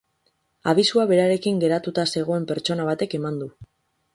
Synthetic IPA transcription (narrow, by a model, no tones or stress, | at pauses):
aβ̞isuaβe̞ɾaɾe̞kiŋɡe̞ɾat̪ut̪ase̞ɣ̞o̞e̞mpe̞ɾt͡ʃo̞naβ̞at̪e̞ke̞mand̪u